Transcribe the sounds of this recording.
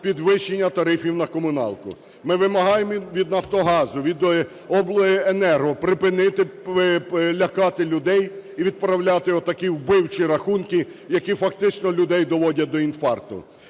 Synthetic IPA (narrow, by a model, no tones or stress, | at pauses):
pʲid̪ʋɪʃːenʲːɐt̪ɐɾɪfʲiwnɐkɔmʊnɑ̰lˠkʊ̰ | mɪʋɪmɐɦɑjemɔʋʲid̪nɐft̪ɔɦɑzʊʋʲid̪ | ɔblˠɔɪenɛrɦɔpɾɪpɪnɪt̪ɪʋɪlʲɐkɑt̪ɪlʲʊd̪ɛjiʋʲid̪̚pɾɐwlʲat̪ɪɔt̪ːɐkʲiwbɪwt͡ʃiɾɐxunkɪ | jɐkʲifɐkt̪ɪt͡ʃnɔlʲʊd̪ɛjd̪ɔʋɔdʲɐd̪ɔinfɑrt̪ʊ̰